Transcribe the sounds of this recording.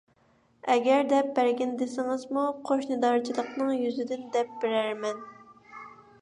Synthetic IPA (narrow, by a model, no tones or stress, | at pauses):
ɛɡʲɛɾd̪ɛp̚bæɾɡʲɪnd̪ɪsɪŋɪzmuqʰoʃnɨd̪ɑɾt͡ʃʰilˠəqnɨŋjyzɪd̪ɪnd̪ɛp̚b̥ɪɾæɾmɛn